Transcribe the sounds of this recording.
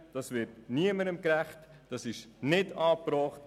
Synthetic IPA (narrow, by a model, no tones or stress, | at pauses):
d̥ɑsvɪɾtniəməɾəmkɾæχt | d̥ɑsɪʃnɪdɑːpɾɔːχt